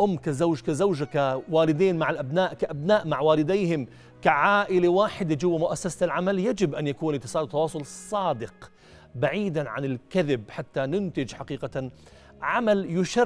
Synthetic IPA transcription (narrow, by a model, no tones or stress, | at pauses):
ʔʊmːkazawʒkazawd͡ʒakawaːlɪd̪eːnmaʕalʔabnaːʔkaʔabnaːʔmaʕwaːlɪd̪eːhɪm | kaʕaːʔɪlewaːħɪd̪ed͡ʒʊwːamʊʔasːasalʕamaljad͡ʒɪbʔanjakuːnlɪkt̪ːɪsˤɑːd̪t̪ːɑwɑːsˤʊlsˤːɑːd̪ɪq | baʕiːd̪aʕa̰nɪlkaðɪbħat̪ːanʊnt̪ɪd͡ʒħaqiːqa | ʕamaljʊʃa